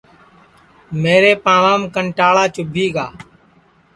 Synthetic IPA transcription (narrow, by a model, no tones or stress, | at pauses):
meːɾeːpãːʋaːmkəɳʈaːɭaːt͡ʃʊbʱiːɡaː